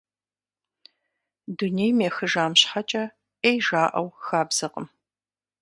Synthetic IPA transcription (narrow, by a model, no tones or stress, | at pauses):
dunejmeːxɨʒaːmɕħat͡ʃʼɐ | ejʒaːʔɐ̰wxaːbz̥ɐqə̰m